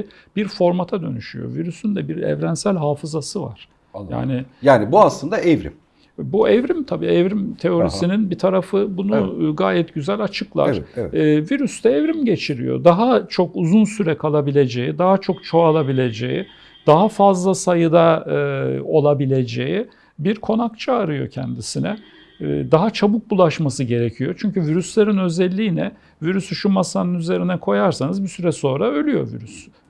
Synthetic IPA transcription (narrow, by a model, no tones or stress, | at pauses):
b̥iɾfo̞ɾmat̪ʰad̪ø̞̰nyʃyjo̞̰viɾysynd̪ɛbiɾɛ̰vɾænsælʲɦaːfɯzasɯva̰ɾ̥ | ja̰ːnɪjaːnibuaslˠɯnd̪aɛvɾḭm | buɛvɾimt̪ʰabḭːɛvɾimt̪ʰe̞o̞ɾisininbit̪ʰaɾafɯbunuɡaːjɛt̪ɟyzælʲat͡ʃʰɯklˠa̰ɾviɾyst̪ɛːvɾimɟe̞t͡ʃʰiɾḭjo̰d̪aɦat͡ʃʰo̞kuzunsyɾɛkʰalˠabilʲe̞d͡ʒejid̪aɦat͡ʃʰo̞kt͡ʃʰo̞alˠabilʲe̞d͡ʒḛjḭ | d̪aɦafazlˠasajɯd̪a | o̞lˠabilʲe̞d͡ʒe̞ji | biɾkʰo̞nakt͡ʃʰaaɾɯjo̞̰cʰɛ̰nd̪isinɛ̰ | d̪aɦat͡ʃʰabuk̚bulˠaʃmasɯɟe̞ɾecʰijo̞t͡ʃʰyɲcyviɾyslʲeɾinø̞zɛlʲːiːnɛ | viɾysyʃumasanɯnyze̞ɾinɛkʰo̞jaɾsanɯzbisyɾɛso̞ːɾaø̞lʲyjo̞̰vḭɾys